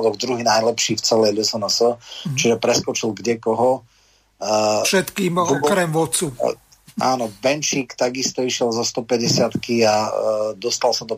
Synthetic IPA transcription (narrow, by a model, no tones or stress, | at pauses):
d̪ɔɡd̪ɾuɦinajlɛpʃiːft͡sɛlɛjlusɔnasɔt͡ʃiʒɛpɾɛskɔt͡ʃilɡɟɛkɔɦɔ | ʃɛt̪kiːmɔkɾɛmʋɔt͡su | ʔa̰ːnɔbɛnt͡ʃiːkt̪aɡist̪ɔiʃɪɛlzɔst̪ɔpɛɟɛsɪat̪kiad̪ɔst̪alsad̪ɔ